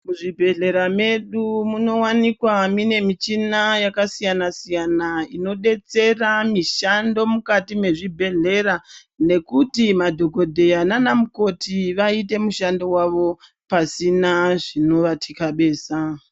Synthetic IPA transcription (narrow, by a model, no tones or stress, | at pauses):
muʐibʱe̞ɮe̞ɾame̞ɗumuno̞wanikwamine̞mit͡ʃinajakasijanasijanaino̞ɗe̞t͡se̞ramiʃando̞mukatime̞ʐibʱe̞ɮe̞ɾa | ne̞kutimadʱo̞ko̞dʱe̞jananamuko̞tiʋaite̞muʃando̞waʋo̞ | pasinaʐino̞ʋatʰikaɓe̞ːsa